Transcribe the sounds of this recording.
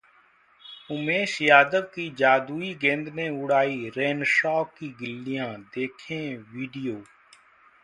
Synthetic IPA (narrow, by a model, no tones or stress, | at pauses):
ʊmẽːʃjaːd̪əʋkiːd͡ʒaːd̪uːiːɡẽːnd̪nẽːʊɽaːiːɾeːnʃaːkːiːɡɪlːɪjãːd̪eːkʰẽːʋiːɖɪjoː